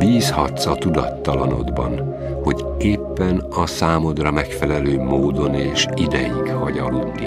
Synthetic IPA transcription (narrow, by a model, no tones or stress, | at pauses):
biːshɒt̪sɒt̪ud̪ɒt̪ːɒlɒno̞̰d̪bɒ̰n | ho̞ɟ | eːpːɛnɒsaːmo̞d̪rɒmɛkfɛlɛløːmoːd̪o̞neːʃid̪ɛjiɡhɒɟɒlud̪nḭ